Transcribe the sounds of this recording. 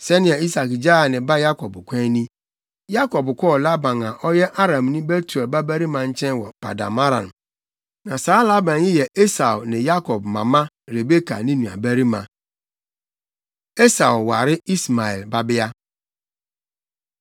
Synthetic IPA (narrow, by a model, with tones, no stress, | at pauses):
sɛ˦nɪ̃˦a˨i˦sa˨kd͡ʒa˦a˨nɪ̃˨ba˦ja˦kɔ˨bʊ˨kʷɛ̃˦nĩ˦ | ja˦kɔ˨bkʷɔ˦˨la˦bã˨na˨ʔɔ˦jɛ˦ʔa˦ɾã˨m˨nĩ˦be˦tu˨e˨ba˦bɛ˦ɾi˦mã˨n̩˦t͡ʃɛ̃˦n˦wɔ˨pa̰˨da̰˨ma˦ɾã̰˨n˨ | nã˨saː˨˦la˦bã˨njɪ˦jɛ˨ʔe˦sa˨o˨nɪ̃˨ja˦kɔ˨bmã̰˨mã˦ | ɾe˨be˦ka̰˨nĩ˦nũ˨a̰˨bæ˦ɾi˦mã̰˨ | e˦sa˨ʊ˨wa̰˨ɾɪ˦i˦sma˨ɛ̰˨lba˦bɪ˦a˦